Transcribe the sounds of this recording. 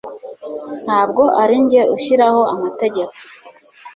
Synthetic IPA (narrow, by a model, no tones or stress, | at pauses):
n̥haːb̚ɡo̞ʔaɾiɲɟe̞ʔuʃiɾaho̞amate̞ɟe̞ko̥